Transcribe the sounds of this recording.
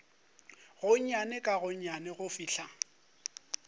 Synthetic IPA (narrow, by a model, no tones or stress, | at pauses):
ɣʊɲ̩ɲanɪkʼaɣʊɲ̩ɲanɪɣʊfiːɬa